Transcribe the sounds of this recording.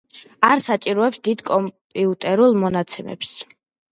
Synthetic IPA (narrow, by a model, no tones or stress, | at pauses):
aɾsat͡ʃʼiɾɔɛpsd̪id̪kʼɔmpʼiut̪ʼɛɾulˠmɔnat̪sʰɛmɛ̰ps